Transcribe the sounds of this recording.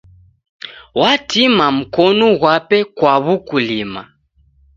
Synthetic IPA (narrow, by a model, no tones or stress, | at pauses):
watimam̩kɔnɔɣwapɛkwaβukulima̰